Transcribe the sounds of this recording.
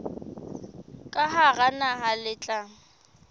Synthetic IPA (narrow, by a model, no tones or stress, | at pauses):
kʼaɦaɣanaɦalɪt͡ɬʼaŋ̩